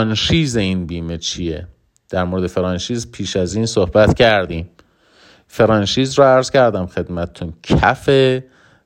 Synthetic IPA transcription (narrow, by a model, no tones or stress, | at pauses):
nʃiːzeinbiːmet͡ʃʰijḛ | d̪̥æɾmoɾed̪efeɾɒːnʃiːzpʰiːʃæziːnsohbæt̪cʰæɾd̪iːm | feɾɒːnʃiːzɾoæɾz̥cʰæɾd̪æmxe̞d̪mæt̪ʰet̪ʰuncʰæ̰fe